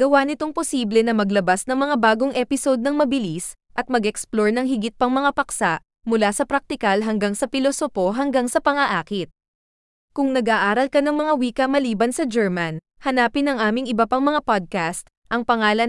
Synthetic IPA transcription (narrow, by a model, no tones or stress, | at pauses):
ɡ̥ɐwanɪt̪o̞ŋposiːblɛnɐmɐɡlɐbasnɐŋmɐŋabaːɡoŋʔɛpɪso̞d̪̚nɐŋmɐbɪlis | ʔɐt̪̚mɐɡɛksploɹnɐŋhɪɡɪt̪̚pɐŋmɐŋapɐksaʔ | mʊlasɐpɾɐk̚t̪ɪkɐlɦɐŋɡaŋsɐpɪlosopo̞ɦɐŋɡaŋsɐpɐŋɐʔaːkɪt̪̚ | kʊŋnɐɡʔaʔaːɾɐlkɐnɐŋmɐŋawiːkɐmɐliːbɐnsɐd͡ʒɛɹmɐn | hɐnaːpɪnɐŋʔaːmɪŋɪbɐpaŋmɐŋapad̪̚kast̪ | ʔɐŋpɐŋaːlɐ